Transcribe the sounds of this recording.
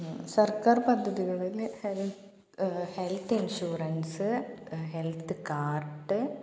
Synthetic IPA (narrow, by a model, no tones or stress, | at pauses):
sɐrkaːrpɐd̪ʱːɐðiɣɐɭilhel | helt̪ʰːinɕuːrɐnsɨɦelt̪ʰɨkaːrʈːɨ